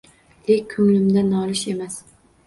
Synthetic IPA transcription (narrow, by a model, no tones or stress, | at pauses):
lekʲʰːɵŋlɪmd̪anɒlɪʃe̞mas